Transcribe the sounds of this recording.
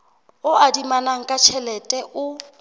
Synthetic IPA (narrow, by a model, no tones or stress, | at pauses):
ʊadimanaŋ̩kʼat͡ʃʰɛlɛtʼɛʔʊ